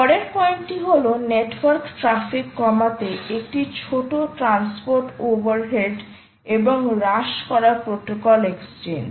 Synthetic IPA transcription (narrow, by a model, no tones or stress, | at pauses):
pɔɽeɾpɔjnʈiɦoloneʈwaɾkʈɾafikːɔmat̪eek̚ʈit͡ɕʰoʈoʈɾanspoɾʈobaɾɦeɖ | eboŋɾaʃkɔɾapɾoʈokɔlekst͡ɕend͡ʑ